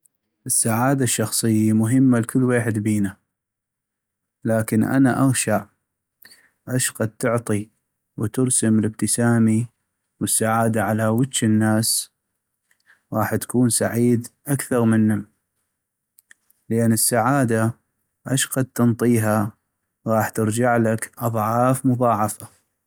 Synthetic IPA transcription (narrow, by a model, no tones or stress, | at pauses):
ʔɪsːaʕaːd̪aʃːɑxsˤɨjːamʊɦɪmːalkʰʊlːweːħɪd̪biːna | laːkɪnʔa̰naʔaɣʃaʔ | ʔaʃqad̪̚t̪ʊʕt̪ˤi | wt̪ʊɾsamlɪb̚t̪ɪsaːmi | wəsːaʕaːd̪aʕalawɪt̪ʃɪnːaːs | ɣɑːħt̪ḁkuːnsa̰ʕiːd̪ʔakθɑɾˤmɪnːʊm | ləʔanːəsːaʕaːd̪a | ʔaʃqɑd̪̚t̪ɨnt̪ˤiːɦa | ɣɑːħt̪ɪɾd͡ʒaʕlakʔɑðˤʕɑːfmʊðˤɑːʕɑfa